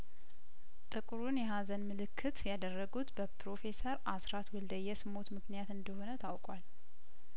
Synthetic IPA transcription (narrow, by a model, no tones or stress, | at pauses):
t̪ʼɨkʼɾunjɛɦazənmɨlɨkʰːɨt̪jad̪ərːəɡut̪bəpɾo̞fe̞səɾʔasɾat̪wɔld̪əjɛsɨmo̞t̪mɨknijat̪ɨnd̪əho̞nət̪ʰawkʼwal